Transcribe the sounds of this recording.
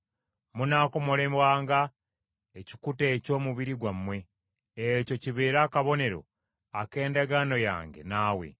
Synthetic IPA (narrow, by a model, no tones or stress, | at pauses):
munaːko̞mo̞lemwaːŋɡa | eci̥kuteːco̞ːmuβiɾiɡwamːwe̞ː | co̞ciβeːɾaːkaβo̞ne̞ɾo̞̰ | ake̞ːndaɡano̞ja̰ːŋɡe̞̰naːwe̞̰